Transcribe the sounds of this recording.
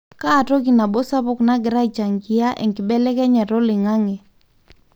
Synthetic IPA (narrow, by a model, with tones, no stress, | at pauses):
kaː˦˨to˦ki˨na˨bo˦sa˦pʊ˦˨kna˦ɡɪ˨ɾa˦i˨t͡ʃa˨ŋɡɪ˨a˦ʔɛ̰˨ŋkɪ˨bɛ˦lɛ˦kɛ˦ɲɛ˨ɾo˦lɪ˨ŋa˦ŋɛ˨